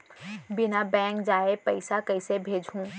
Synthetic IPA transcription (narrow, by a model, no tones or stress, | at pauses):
bɪnabɛ̃ːŋkd͡ʒaːepɐɪsakɐɪsebʱeːd͡ʒʱũː